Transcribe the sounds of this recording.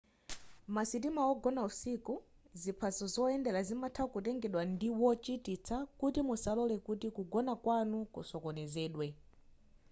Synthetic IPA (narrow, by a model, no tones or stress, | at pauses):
masit̬imaɔɡɔnausiku | zipʰazɔzɔɛndɛlazimatʰakut̬ɛŋɡɛɗwandiwɔt͡ʃitit͡sʰakutimusalɔlɛkutikuɡɔnakwanukṵsɔkɔnɛzɛːɗwɛ